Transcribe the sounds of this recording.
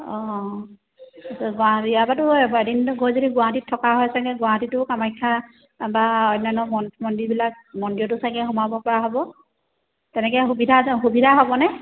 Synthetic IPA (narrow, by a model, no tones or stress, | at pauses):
ɔ̃ | sɔɡɔatiabatʊɛɛdintʊɡojzodiɡʊwaɦatitʰːɔkaɦɔjsaɡkɛɡʊaɦatitʊkamajkʰːa | baɔjnanɔmɔnmɔndibilak̚ | mɔndiɔtʊsakɛɦɔmabɔpɔɹaɦɔbɔ | tɛnɛkɛxubidʱaxubidʱaɦɔbɔnɛ